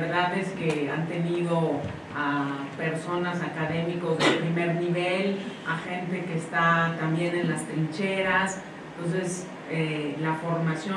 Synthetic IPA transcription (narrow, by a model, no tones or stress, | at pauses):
eɾðaðe̞ske̞ant̪e̞niðo̞ | ape̞ɾso̞nasakaðe̞miko̞zðepɾime̞ɾniβe̞laxe̞nt̪e̞ke̞ːst̪at̪ambje̞ne̞nlast̪ɾint͡ʃe̞ɾas | t̪ons̬es | elafo̞ɾmasjo